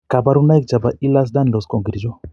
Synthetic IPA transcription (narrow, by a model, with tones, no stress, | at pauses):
ka˨ba˦ɾu˦na˦jk̚d͡ʒa˨ba˨i˦las̬d̪a˦nlo˨sko˨ŋɡiɾid͡ʒɔ˦